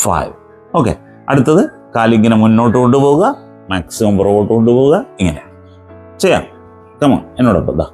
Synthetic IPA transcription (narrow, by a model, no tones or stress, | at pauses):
fa̰jʋ | o̞ːkːe̞̰ | ɐ̰ɽut̪ːɐðɨ | kaːliŋːɐnemunːo̞ːʈːɨkoɳːɨpo̞ːɣuɣɐ | maːksimɐmprooːʈːɨkoɳʈːɨpoːɣuɣɐiŋːɐnḛ | t͡ɕejːa̰ːm | kɐmɐ̰enːoːɽɐ̰pːo̰d̪a̰ː